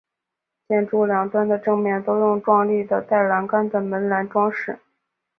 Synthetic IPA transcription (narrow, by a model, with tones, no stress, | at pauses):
t͡ɕjɛ˥˧nʈ͡ʂu˥˩ljɑ˨˩ŋt̪wa˥nd̪ə˨ʈ͡ʂɤ˥˧ŋmjɛ˥˩nt̪o˥ʊjʊ˥˧ŋʈ͡ʂwɑ˥˧ŋli˥˩d̪ə˩t̪a˥˩ɪla˧˥nka˥nd̪ə˨mə˧˥nla˧˥nʈ͡ʂwɑ˥ŋʂɻ̩˥˩˦